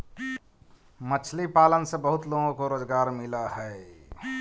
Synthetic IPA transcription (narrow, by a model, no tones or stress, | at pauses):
mət͡ʃʰlipaːlənsebəɦʊt̪loːɡõkoɾoːzɡaːɾmɪlahɛe